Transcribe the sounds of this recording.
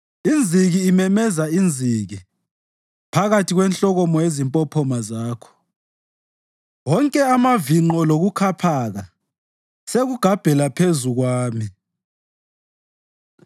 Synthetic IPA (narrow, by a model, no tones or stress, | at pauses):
ind͡zʱiɣiːmɛmɛzaind͡zʱiɣi | pʰaɣatʰiɣwɛnɬɔɣɔmɔjezimpʼɔpʰɔmazaːkʰɔ̥ | wɔŋkʼɛamaviŋ͡ǃɔloɣukʰapʰaɣa | seɣuɡ̥ʱab̥ʱɛlapʰezuɣwaːmi